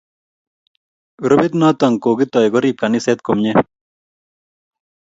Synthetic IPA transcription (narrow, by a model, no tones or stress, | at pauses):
ɾobit̪naːt̪ɐŋkoːɡit̪ojɡoɾiːb̚kɐniset̪̚komɲe